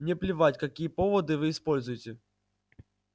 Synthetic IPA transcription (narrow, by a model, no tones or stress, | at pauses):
nʲɛplʲɪvatʲkɐkʲijəpɔvɐd̪ɨvɨːspɔlʲzʊjɪtʲe